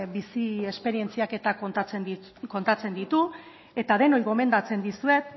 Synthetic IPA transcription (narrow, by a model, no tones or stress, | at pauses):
bisie̞spe̞ɾie̞nt͡siake̞t̪at͡sen | ko̞nt̪at͡se̞nd̪it̪u | e̞t̪að̞e̞no̞jɣo̞me̞nd̪at͡se̞nd̪isue̞t̪̚